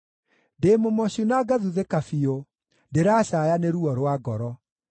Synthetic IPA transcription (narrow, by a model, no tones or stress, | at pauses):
ndeːmomɔɕunaɡaðuðekafio | ndeɾaːɕajaneɾuɔɾwaɡɔɾɔ